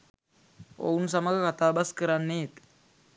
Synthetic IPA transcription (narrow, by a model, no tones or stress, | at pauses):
o̰wnus̬amaɡəkat̪abaskəɾanːeːt̪